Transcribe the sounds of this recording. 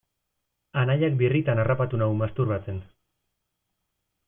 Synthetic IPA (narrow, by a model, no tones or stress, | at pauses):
anaʎak̚birit̪anarʔapat̪unawmast̪uɾβat͡se̞n